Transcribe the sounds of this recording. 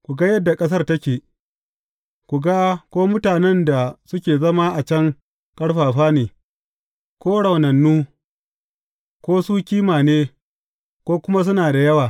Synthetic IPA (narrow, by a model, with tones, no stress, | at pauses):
kʷu˨ɡa˦jɐ˦dːa˨kʼɐ˦s̬ɐ˦rtɐ˦kʲeː˨ | kʷu˨ɡa˦kʷoː˦mʊ˦taː˨nɛ˦nda˨sʊ˦kʲeː˨zɐ˦ma˦ʔa˨t͡ʃɐ˦ŋ | kʼɐ˦ɽɸaː˨ɸaː˦neː˨ | kʷoː˦ɽa˨wnɐ˨nːuː˦ | kʷoː˦suː˦kʲiː˦maː˨neː˦ | kʷoː˦kʷʊ˦ma˦s̬ʊ˦naː˨da˨jɐ˦waː˨